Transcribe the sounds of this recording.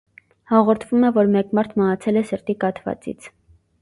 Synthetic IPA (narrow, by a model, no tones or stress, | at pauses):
hɑʁɔɾt̪ʰvumɛvɔɾmɛkmɑɾt̪ʰməɦɑt͡sʰɛlɛsəɾt̪ikɑt̪ʰvɑ̰t͡sḭt͡sʰ